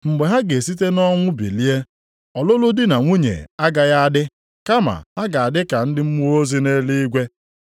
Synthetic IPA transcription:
ŋ͡m̩˨ɡ͡be˨ɦa˦ɡe˨si˦t̬e˦nɔ˦ŋʷʊ˦bḭ˨li˦e˦ | ɔ˨lʊ˦lʊ˦dɪ˦na˨ŋʷu˦ɲḛ˨a˦ɡa˨ja˦a˦dɪ˦ | ka˦ma̰˨ɦa˦ɡa˨a˨dɪ˦ka˨n̩˦dɪ˦m̩˦mu˦ɾo˦zi˦ne˦li˦i˦ɡʷe˦

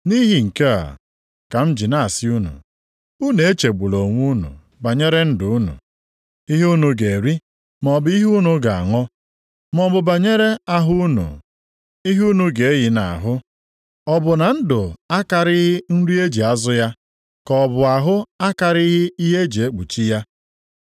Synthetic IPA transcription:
ni˦ɦi˨ŋ̩˨ke˦a̰˨ | ka˨m̩˦d͡ʒi˨na˦˨a˨sɪ˦u˦nṵ˨ | u˦ne˨e˦t͡ʃe˨ɡ͡bu˨lo˨ŋʷu˦nṵ˨ | ba˨ɲe˦ɾe˦n̩˦dʊ˨u˦nṵ˨ | i˦ɦu˦nu˨ɡe˨ɾi˦ | m˨ɔ˨bi˦ɦu˦nu˨ɡa˨a̰˨ŋɔ˦ | mɔ˨bʊ˨ba˨ɲe˦ɾe˦a˦ɦʊ˦nṵ˨ | i˦ɦu˦nu˨ɡe˨e˦ji˨na̰˨a˨ɦʊ˦ | ɔ˨bʊ˨na˨n̩˦dʊ˨a˦ka˨ɾɪ˦ɦɪ˦n̩˦ɾu˦e˦d͡ʒi˨a˦zʊ˦ja˦ | kɔ˨bʊ˨a˨ɦʊ˦a˦ka˨ɾi˦ɦɪ˦i˦ɦe˦d͡ʒi˨e˦k͡pu˨t͡ʃi˦ja˦

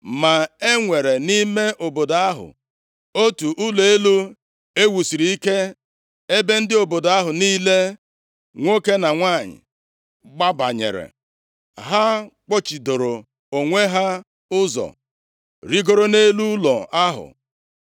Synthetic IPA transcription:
ma˨e˦ŋʷe˨ɾe˨ni˦me˦ʔo˨bo˨do˨a˦ɦʊ̰˨ | o˦tu˨ʔʊ˦le˦lu˦ | e˦wu˨si˨ɾi˨i˦ke˦ | e˦be˦n̩˦dɪ˦o˨bo˨do˨a˦ɦʊ˨niː˦le˦ | ŋʷo˦ke˦na˨ŋʷa˦˨ɲɪ̰˨ | ɡ͡ba˦ba̰˨ɲḛ˨ɾḛ˨ | ɦa˦k͡pɔ˦t͡ʃi˨do˨ɾo˨ | o˨ŋʷe˦ɦa˦ | ʊ˦zɔ̰˨ | ɾi˦ɡo˦ɾo˦ne˦lu˦lɔ˨a˦ɦʊ̰˨

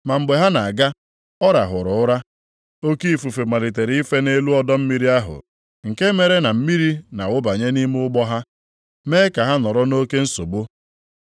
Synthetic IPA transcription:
ma˨m̩˨ɡ͡be˨ɦa˦na˨a˨ɡa˦ | ɔ˦ɾa˨ɦʊ˨ɾʊ˨ʊ˦ɾa˦ | o˦ki˦i˨fu˨fe˨ma˨ɾi˨t̬e˨ɾi˨˦i˦fe˦ne˦lu˦ɔ˦dɔ˦m̩˦mi˦ɾi˦a˦ɦʊ̰˨ | ŋ̩˨ke˦me˨ɾe˦na˨m̩˦mi˦ɾi˦na˨wʊ˦ba˨ɲe˦ni˦m˦ʊ˦ɡ͡bɔ˦ɦa˦ | meː˦ka˨ɦa˦nɔ˨ɾɔ˦no˦ke˦n̩˦so˨bo˦

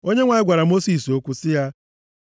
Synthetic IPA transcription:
o˦ɲe˦ŋʷa˨ɲɪ˦ɡʷa˨ɾa˨mo˦si˨so˦kʷu˦sɪ˦ja˦

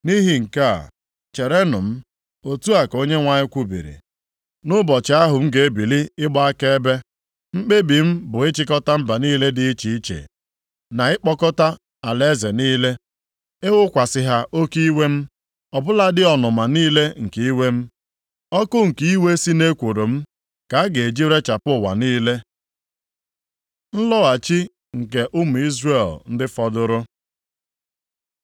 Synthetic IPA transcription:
ni˦ɦi˨ŋ̩˨ka˦a̰˨ | t͡ʃe˨ɾe˦nʊ̰˨m̩˦ | o˨tu˦a˨ko˦ɲe˦ŋʷa˨ɲɪ˦kʷu˦bḭ˨ɾḭ˨ | nʊ˦bɔ˨t͡ʃɪ˨˦a˦ɦʊ˨m̩˦ɡe˨e˦bi˨li˦ɪ˦ɡ͡bɔ˦a˦ke˦e˦be˦ | ŋ͡m̩˦k͡pe˦bi˨m̩˦bʊ˨ɪ˦t͡ʃɪ˦kɔ˦ta˦m̩˦ba˨niː˦le˦dɪ˦i˦t͡ʃi˨i˦t͡ʃḛ˨ | na˨ɪ˦k͡pɔ˦kɔ˦ta˦ | a˨le˦ze˨niː˦le˦ | ɪ˦wʊ˦kʷa˨sɪ˨ɦa˦ʔo˦ki˦we˦m̩˦ | ɔ˨bʊ˦la˦dɪ˦ɔ˨nʊ˨ma˨niː˦le˦ŋ̩˨ke˦i˦we˦m̩˦ | ɔ˦kʊ˦ŋ̩˨ki˦we˦si˦ne˦kʷo˨ɾo˨m̩˦ | ka˨˦a˦ɡe˨e˨d͡ʒi˦ɾe˦t͡ʃa˨pʊ˦˨wa̰˨niː˦le˦ | n̩˦lɔ˦a˨t͡ʃi˦ | ŋ̩˨ke˨ʔʊ˦m̩˨i˦zre˦˨ln̩˦dɪ˦fɔ˦dʊ˦ɾʊ˦

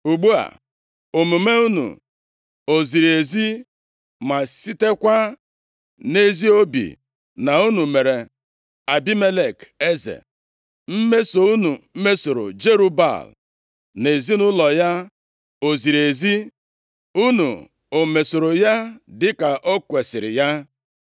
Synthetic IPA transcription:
u˨ɡ͡bu˦a̰˨ | o˨mu˨me˦u˦nṵ˨ | o˨zi˨ɾe˨zi˦ | ma˨si˦te˦kʷa˦ | ne˦zi˦o˦bḭ˨ | na˨u˦nu˨me˨ɾe˨ | a˨bi˦me˦le˨ke˦zḛ˨ | m̩˦me˦so˨u˦nu˨˦me˦so˨ɾo̰˨d͡ʒe˦ɾu˦ba̰˨l | ne˨zi˦nʊ˦lɔ˨ja˦ | o˨zi˨ɾe˨zi˦ | u˦nṵ˨ | o˨me˨so˨ɾo˨ja˦dɪ˨ka˨ʔo˦kʷe˨sɪ˨ɾɪ̰˨ja˦

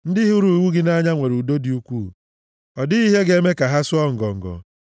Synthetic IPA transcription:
n̩˦dɪ˦ɦu˦ɾu˨i˨wu˦ɡɪ˦na˦ɲa˦ŋʷe˨ɾu˨do˦di˨u˦kʷu˦˨ | ɔ˨dɪ˦i˦ɦe˦ɡe˦me˦ka˨ɦa˦sʊ˦ɔ˦ŋ̩˨ɡɔ˨ŋ̩˨ɡɔ̰˨

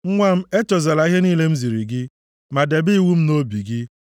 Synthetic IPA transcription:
ŋ̩˦ŋʷa˦m̩˦e˦t͡ʃɔ˨za˨la˨i˦ɦe˦niː˦le˦m̩˦zi˨ɾi˨ɡɪ˦ | ma˨de˨bi˦˨wu˦m̩˦no˦bi˨ɡɪ˦

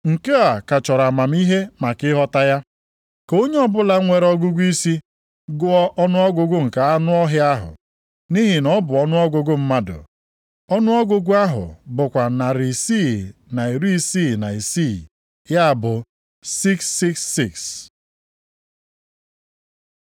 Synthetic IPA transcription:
ŋ̩˨ke˦a˨ka˨t͡ʃɔ˨ɾa˨ma˨m̩˦i˦ɦe˦ma˨kɪ˦ɦɔ˦ta˦ja˦ | ko˦ɲe˦ɔ˦bʊ˦la˨˦ŋʷe˨ɾɔ˦ɡu˦ɡʷu˦i˦si˦ | ɡʊ˦ɔ˦ʔɔ˦nʊ˦ɔ˦ɡʷʊ˦ɡʊ˦ŋ̩˨ka˨a˦nʊ˦ɔ˦ɦɪ˦a˦ɦʊ̰˨ | ni˦ɦɪ˨nɔ˦bʊ˨ɔ˦nʊ˦ɔ˦ɡʊ˦ɡʊ˦m̩˦ma˦dʊ̰˨ | ɔ˦nʊ˦ɔ˦ɡʊ˦ɡʷu˦a˦ɦʊ̰˨bʊ˨kʷa˨na˨ɾi˨si˦˨na˨i˨ɾi˦i˦siː˦˨na˨i˨si˦˨ | ja˦˨bʊ˨ | si˦ksːi˦ksːi˦˨ks

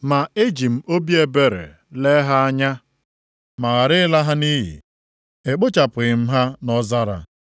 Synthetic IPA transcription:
ma˨e˦d͡ʒi˨m̩˨o˦bje˨be˨ɾḛ˨ | le˦ɦa˦a˦ɲa˦ | ma˨ɣa˨ɾɪ˦la˦ɦa˦ni˦ɦḭ˨ | e˨k͡pʊ˦t͡ʃa˨pʊ˨ɣɪ˨m̩˦ɦa˦nɔ˦za˦ɾa̰˨

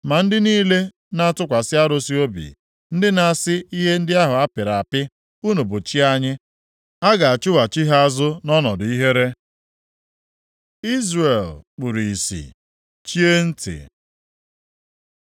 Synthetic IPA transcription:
ma˨n̩˦dɪ˦niː˦le˦ | na˦a˦tʊ˦kʷa˨sɪ˦a˦ɾo˦si˦o˦bḭ˨ | n̩˦dɪ˦na˨sɪ˦i˦ɦe˦n̩˦dɪ˦a˦ɦʊ˨a˦pɪ˨ɾa˨a˨pɪ˦ | u˦nu˨bʊ˨t͡ʃi˦a˦ɲɪ˦ | a˦ɡa˨a˨t͡ʃʊ˦wa˨t͡ʃi˦ɦa˦a˦zʊ˦nɔ˦nɔ˨dʊ˨i˦ɦe˦ɾe˦ | i˦zre˨lk͡pu˨ɾi˨i˨sḭ˨ | t͡ʃi˦e˦n̩˦tɪ̰˨

